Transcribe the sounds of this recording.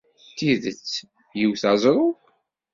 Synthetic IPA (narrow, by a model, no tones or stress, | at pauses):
t̪ːiðət͡sː | jiwθɑzˤɾˤʊð